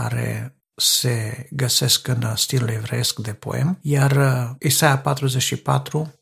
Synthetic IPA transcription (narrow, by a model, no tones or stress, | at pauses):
aɾe̞̰ | se̞ɡəse̞skɨnst̪ilulevɾeeskd̪e̞po̰e̞̰mjarisajapat̪ɾuze̞t͡ʃʲʃipa̰t̪ɾu